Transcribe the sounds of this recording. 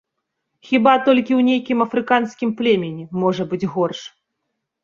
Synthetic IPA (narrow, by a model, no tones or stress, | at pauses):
xʲibat̪ɔlʲkʲiwnʲejkʲimɐfɾɨkanskʲimplʲɛmʲɛnʲɛmɔʐɐbɨd͡zʲɣɔrʂ